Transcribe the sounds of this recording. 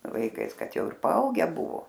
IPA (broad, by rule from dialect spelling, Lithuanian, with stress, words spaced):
ʋɐɪˈkɐɪs ˈkɐt ˈjɛʊ ɪr pɐˈɐʊɡʲɛ ˈbʊʋoː